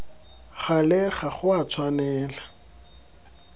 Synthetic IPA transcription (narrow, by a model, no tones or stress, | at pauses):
χalɪχaχʊat͡sʰwanɛːla